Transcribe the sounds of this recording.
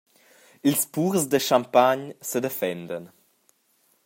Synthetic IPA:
ilspuɾzd̪əʃampaɲsəd̪efɛnd̪ən

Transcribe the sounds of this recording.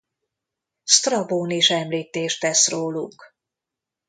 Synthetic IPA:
st̪rɒboːniʃɛmliːt̪eːʃt̪ɛsroːluk

